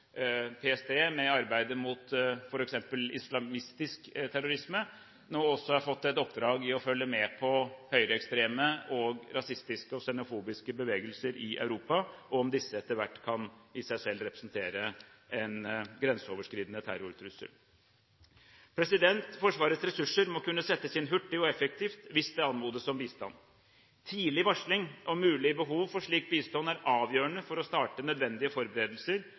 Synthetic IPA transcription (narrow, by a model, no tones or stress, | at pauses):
pʰeːɛst̪ʰeːmɛɑɾbæɪd̪əmuːt̪fɔɾɛksɛmpəlɪ̰slɑmɪst̪ɪskt̪ʰæɾʊɾɪsmə | noːɔsːɔhɑɾfɔt̪ːɛt̪ɔpːd̪ɾɑːɡɪɔfœlːəmɛːpʰɔhœʏɾəɛkst̪ɾeːməʔɔɡɾɑsɪst̪ɪskəɔsɛnʊfuːbɪskəbəʋeːɡəlsəɾʔɪʔœ̰ʉɾuːpɑɔmd̪ɪsːəɛt̪ːəɾʋæʈːkʰɑnɪsæɪsɛlːɾɛpɾə̥snt̪ʰeːɾəʔɛnɡɾɛnsəɔːʋəʂkɾiːd̪ənət̪ʰæ̰ɾʊɾt̪ʰɾʉsə̰l | pʰɾɛsɪd̪ɛnt̪fɔʂʋɑːɾət̪sɾɛsʉʂːəɾmɔkʉnːəsɛt̪ːəsɪnɦʉʈːɪɔɛfɛk̚t̪ʰiːft̪ʋɪsd̪ɛɑnmuːd̪əsɔmbiːst̪ɑ̰n | t̪ʰiːlɪʋɑʂɭɪŋʔɔmʉːlɪbəɦuːʋfɔʂɭiːk̚biːst̪ɔnːæɾʔɑːʋjøːəɳəfɔɾɔst̪ɑːʈənœd̪ʋɛnd̪ɪəfɔɾbəɾeːd̪əl̩səɾ